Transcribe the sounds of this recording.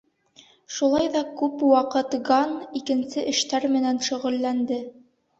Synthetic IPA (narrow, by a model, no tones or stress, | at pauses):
ʃulˠɑjðɑkʉpwɑqɤt̪ɡɑnikɘ̆nsɘʔɘ̆ʃt̪æɾmɘ̆nænʃɵ̆ʁɘ̆lːænd̪ɘ